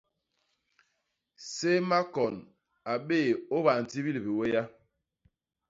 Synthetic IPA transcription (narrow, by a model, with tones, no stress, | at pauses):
se˦ma˦kɔ˨n | a˨ɓeː˦˨o˦ba˨n̩˨ti˦bi˦li˨bi˨we˦ja˦